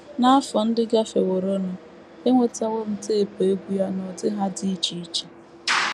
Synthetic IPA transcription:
na˦a˦fɔ˨n̩˦dɪ˦ɡa˦fe˨wo˨ɾo˦nʊ˦ | e˦ŋʷe˨ta˦we˦m̩˦te˦˨pe˨e˦ɡʷu˦ja˦nɔ˨dɪ˦ɦa˦di˦t͡ʃi˨˦t͡ʃi̥˨

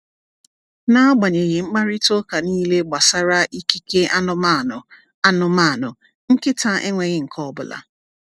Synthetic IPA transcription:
na˦ɔ˦ɡ͡ba˨ɲe˨ɣɪ˨ŋ͡m̩˦k͡pa˦ɾɪ˦to˦ka˨niː˦le˦ɡ͡ba˨sa˦ɾa˦ʔi˦ki˦ke˦ʔa˦nʊ˦ma˦˨ʊ˨ | a˦nʊ˦ma˦˨nʊ˨ | ŋ̩˦kɪ˦ta˦ʔe˦ŋʷe˨ɣɪ˦ŋ̩˨kʰɔ˦bʊ˨la̰˦

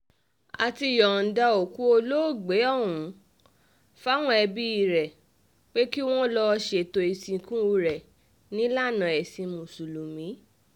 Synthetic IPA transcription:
a˨ti˧˨jɔ˨n̩˨da˨˧o˨ku˦o˧lo˦˨ɡ͡be˨˦ɔ˦˨wũ˨˦ | fa˦w̃ɔ̃˦ɛ˧bi˦i˦˨ɾɛ˨ | k͡pe˦ki˦w̃ɔ̃˦lɔ˧ʃe˨to˨i˨sĩ˧kũ˦o˧ɾɛ˨ | nĩ˦la˦˨nã˨ɛ˨sĩ˧mũ˨su˨lu˨mĩ˨˦

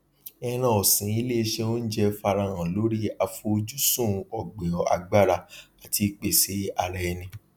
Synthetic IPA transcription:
ɛ˧ɾ̃ã˧ɔ˨sĩ˨˦i˦le˦e˧ʃɛ˧o˦n̩˦d͡ʒɛ˧fa˧ɾa˧ɾ̃ã˨lo˨˦ɾi˦a˧fo˧o˧d͡ʒu˦sũ˦˨˧ɔ˨ɡ͡bẽ˨ɔ˨a̰˨ɡ͡ba˦˨ɾa˧a˨ti˨˧˦k͡pe˨se˨˦a˧ɾɛ˧nĩ˧

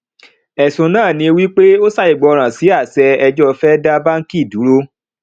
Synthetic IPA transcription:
ɛ˨sũ˨nãː˦˨nĩ˧wi˦k͡pe˦o˦sa˦˨i˨ɡ͡bɔ˧ɾ̃ã˨si˨˦a˦˨sɛ˧ɛ˧d͡ʒɔ˦fɛ˦da˦ba˦ŋ̩˦ki˦˨du˨˦ɾo˦

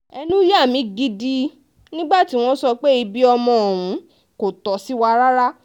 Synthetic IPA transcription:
ɛ˧nũ˦ja˦˨mĩ˨˦ɡi˧˦di˧ | nĩ˦ɡ͡ba˦˨ti˨˦w̃ɔ̃˦sɔ˧k͡pe˦i˧bi˦ɔ˧mɔ̃˧˨o˨wũ˨˦ | ko˨tɔ˨si˨˦wa˧ɾa˦ɾa˦

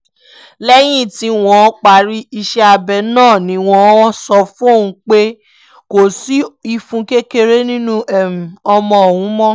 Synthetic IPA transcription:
lɛ˦j̃ĩ˦˨ti˨˧w̃ɔ̃˧˦k͡pa˨ɾi˦i˧ʃɛ˦a˧bɛ˧nãː˦˨nĩ˨˧˦w̃ɔ̃˧˦ɔ˦sɔ˧fũ˦o˦˨wũ˨˧k͡pe˦ | ko˨si˦i˧fũ˧ke˦ke˦ɾe˦nĩ˦nũ˦ɛ˦˨m˨ɔ˧mɔ̃˧o˨wũ˨˦mɔ̃˦

